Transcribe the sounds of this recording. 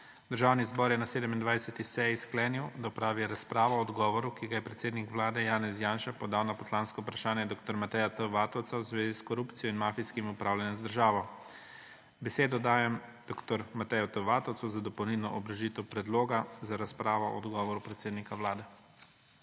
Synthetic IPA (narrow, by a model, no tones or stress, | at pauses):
d̪əɾʒaːwnizbɔːɾjɛnaseːd̪ɛmind̪ʋajsɛt̪isɛjisklɛːniwd̪apɾaːʋiɛɾaspɾaːʋɔɔd̪ɡɔːʋɔɾukiɡajɛpɾɛt̪seːd̪nikʋlaːd̪ɛjaːnɛzjaːnʃapɔd̪aːwnapɔslaːnskɔupɾaʃaːnjɛd̪oːk̚t̪ɔɾmat̪ɛjat̪əʋaːt̪ɔw̪sawzʋeːziskɔɾupt̪sijɔinmaːfijskimiupɾaːwlʲanjɛmzd̪əɾʒaːʋɔ | bɛseːd̪ɔd̪aːjɛmd̪oːkt̪ɔɾmat̪ɛjɔt̪əʋaːt̪ɔwt̪sɔzad̪ɔpɔwnilnɔʔɔbɾɐʒit̪ɛwpɾɛd̪loːɡazaɾaspɾaːʋɔɔ̰d̪ɡɔːʋɔɾupɾɛt̪seːd̪nikawlaːd̪ɛ